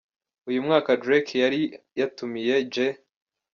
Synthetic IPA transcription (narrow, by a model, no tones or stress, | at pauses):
ujumŋaːkadɾekʰjaɾi | jatumije̞d͡ʒe